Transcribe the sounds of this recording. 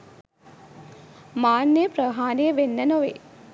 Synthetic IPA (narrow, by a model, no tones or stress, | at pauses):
maːnːəjəprəɦaːnejəʋenːənoʋḛ